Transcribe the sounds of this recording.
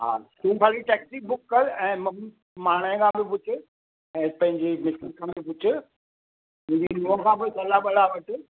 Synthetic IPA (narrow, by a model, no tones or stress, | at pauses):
ɦa̰ːsũːpʰaːɾiʈɛːksibʊkːɐlɛ̃ːmɐ̃ | maːɽ̃əɪ̃kʰãːbɪpʊt͡ɕʰɪ | ɛ̃ːpɐ̃ɦɪ̃ɲd͡ʑemɪsɪlkʰãbɪpʊt͡ɕʰɪ̆ | mʊ̃ːd͡ʑinũkʰãpoːesɐlaɓɐɽaʋɐʈʊ